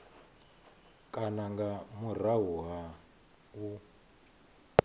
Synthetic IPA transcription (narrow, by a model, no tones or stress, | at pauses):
kʼanaŋɡamuraɦuɦa | u